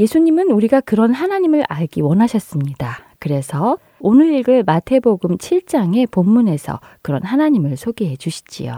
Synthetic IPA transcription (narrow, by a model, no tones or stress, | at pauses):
je̞sʰuɲimɯnuɾiɡakɯɾʌnɦanaɲimɯɾʔaɭɡiwʌnɦaɕʰʌs͈ɯmɲidakɯɾe̞sʰʌ | onɯɾiɭɡɯɭmatʰe̞boɡɯmt͡ɕʰiɭt͡ɕ͈aŋe̞pomːune̞sʰʌ̰ | kɯɾʌ̰nɦanaɲimɯɭsʰoɡiɦe̞d͡ʑuɕʰi̥d͡ʑḭjo̰